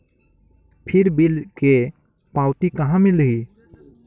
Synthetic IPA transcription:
pʰiɾbilke | pawt̪ikaɦãmeləɦi

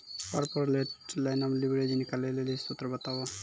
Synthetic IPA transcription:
paɾpəɾleʈlajnamlibɾed͡ʒinikalelelisut̪ɾəbət̪abo

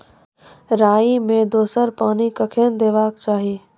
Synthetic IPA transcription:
ɾaːimẽd̪oːsəɾpaːnikɐkʰend̪eːʋaːkt͡ʃaːɦieː

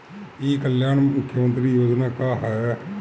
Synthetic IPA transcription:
iːkəljaːnmʊkʰːjəmənt̪ɾiːjoːd͡ʒnaːkaːɦɛ

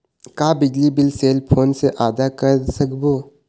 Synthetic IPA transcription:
kaːbɪd͡ʒlibɪlseːlpʰoːnseʔaːd̪akəɾsɐkboː

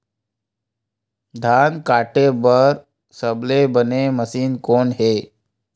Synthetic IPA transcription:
d̪ʱankaːʈebəɾ | səblebəneməsiːnkoːnɦe

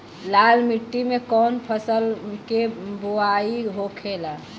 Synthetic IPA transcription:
laːlmɪʈːimẽkɔːnpʰəsəlkeboaiɦokʰela

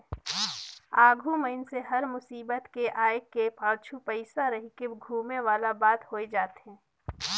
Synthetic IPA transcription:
aːɡʱuməɪnseɦɐɾmʊsiːbət̪keʔaːɪkːepaːɾt͡ʃʰupəɪsaɾɐɦikeɡʱuːmeʋaːlabaːt̪hoːed͡ʒaːt̪ɛ̃ː

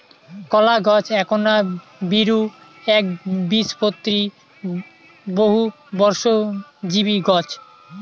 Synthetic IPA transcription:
kɔlaɡɔt͡ɕʰɛkʰona | biɾu | ɛk̚bispot̪ːɾi | boɦu | bɔɾʃod͡ʑiβiɡɔt͡ɕʰ

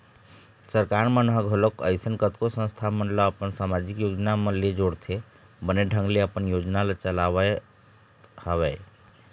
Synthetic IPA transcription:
səɾkaɾmənɦəɡʱəlokə̰jsənkət̪kosə̃nst̪ʰamənləəpənsamad͡ʒikjod͡ʒnamə̃led͡ʒoɽt̪ʰe | bəneɖʱə̃ŋɡleəpənjod͡ʒnalət͡ʃəlaβə | həβɛ

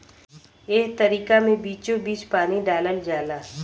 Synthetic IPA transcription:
eːk̚t̪əɾiːkamẽbiːt͡ʃõbiːt͡ʃpaːniɖaːləld͡ʒaːlaː

